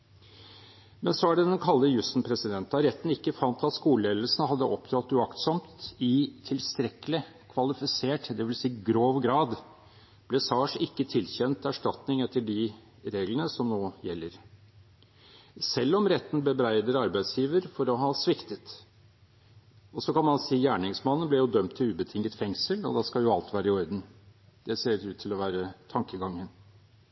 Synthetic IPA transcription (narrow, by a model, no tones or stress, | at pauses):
mɛnsɔæɖɛd̪ɛnkʰɑlːəjʉst̪n̩pʰɾɛsɪd̪ɛnt̪ɑɾɛt̪ːn̩ɪkːəfɑnt̪ɑt̪skuːləeːd̪əlsnəhɑd̪ːəʔɔpd̪ɾɑt̪ːʉɑkt̪sɔmt̪ɪt̪ʰɪlst̪ɾɛkːəlɪ | kʰʋɑlɪfɪseːʈd̪ɛʋɪlsiːɡɾoːʋɡɾɑːd̪ | b̥lɛːsɑːʂɪkːət̪ʰɪlçɛnt̪æʂʈɑt̪nɪŋɛt̪ːəɖɪ | ɾeːɡlənəsɔmnoːjɛlːəɾ | sɛlːɔmɾɛt̪ːn̩bəbɾæɪd̪əɾɑɾbæɪsjiːʋəɾfɔɾɔɦɑsʋɪkt̪ət̪ | ɔsɔkɑnmɑnsiːjæːɳɪŋsmɑnːənblɛɾjʊd̪œmt̪ʰːɪʉːbət̪ʰɪŋːət̪fɛŋsəlɔ̰d̪ɑskɑljʊɑlt̪ʋæːɾəɪɔɾd̪n̩ | d̪̥ɛseːɾʉːt̪ʰːɪlɔʋæːɾət̪ʰɑŋkəɡɑŋːən